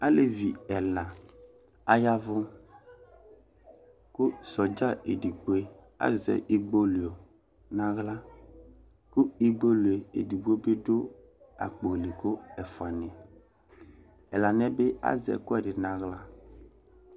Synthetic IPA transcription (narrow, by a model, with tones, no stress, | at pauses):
a˦le˨vi˨ɛ˨lã˨ | a˦ja˦vʊ˦ | kʊ˦sɔ˨d͡ʒa˦e˨di˨ɡ͡bo˦e˦ | a̰˦zɛ̰˨ʔi˦ɡ͡bo˦lu˨o˨ | nã˦ɣla˦ | kʊ˦i˦ɡ͡bo˦lu˨e˨ḛ˨di˨ɡ͡be˦be˦dʊ˦ | a̰˨k͡po˨lɪ˨kʊ˦ɛ˨fʊ˨a˨nɪ̃˨ | ɛ˨la˨n˦ɛ˦be˦a̰˦zɛ̰˨kʊ˦ɛ˦˨dɪ˨nã˨ɣla˦